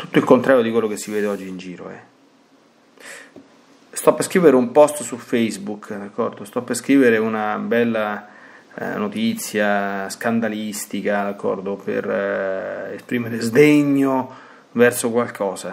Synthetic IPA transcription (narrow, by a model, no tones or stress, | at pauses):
t̪ut̪ːoilkont̪ɾaːɾjod̪ikwelːokesːivɛːd̪eɔd͡ʒːiːnd͡ʒiːɾo̰ɛ̰ | st̪ɔpːeskɾiːveɾeumpɔst̪sufejzbukd̪akʰːɔrd̪ost̪ɔpːeskɾiːveɾeunabɛlːa̰ | not̪it̪sːjaskand̪alist̪ikad̪akʰːɔ̰rd̪opḛr | espɾiːmeɾezd̪eɲːo | vɛrsokwalkʰɔːza